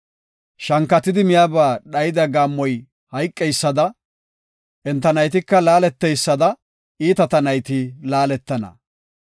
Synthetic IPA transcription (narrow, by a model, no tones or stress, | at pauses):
ʃɐŋkːɐt̪ːɪd̪ɪmɪjaːbaːɗɐjɪd̪ɐɡaːmːɔj | hɐjkʼːɛjsːɐd̪ɐ | ʔɛnt̪ːɐnɐjt̪ɪkːɐlaːlɛt̪ːɛjsːɐd̪ɐ | iːt̪ɐt̪ɐnɐjt̪ɪlaːlɛt̪ːɐnɐ̰